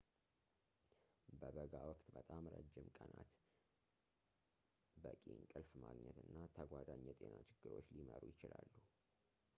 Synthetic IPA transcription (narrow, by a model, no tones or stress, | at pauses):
bəbəɡawɔkʼt̪bət̪ʼamɾəd͡ʒːɪmkʼənat̪ | bəkʼiɲkʼɨlfmaɡɲɛt̪ɨnːat̪ʰəɡʷad̪aɲːɛt̪ʼenat͡ʃʰɪɡ̥ːɨɾo̞t͡ʃːliməɾujɪt͡ʃɪlalːu